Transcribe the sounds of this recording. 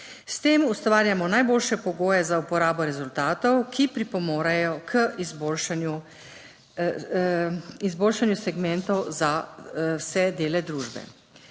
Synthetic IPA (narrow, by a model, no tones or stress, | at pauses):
st̪eːmust̪ʋaːɾjamɔnajboːlʃɛpɔɡoːjɛzaupɔɾaːbɔɾɛzult̪aːt̪ɔwkʰipɾipɔmoːɾajɔkʰəizbolʃanju | izboːlʃanjusɛɡmɛnt̪ɔwzawsɛd̪eːlɛd̪ɾuːʒbɛ̰